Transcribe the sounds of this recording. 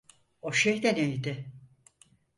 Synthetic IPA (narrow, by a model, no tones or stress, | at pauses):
oʃejd̪ɛnejd̪ɪ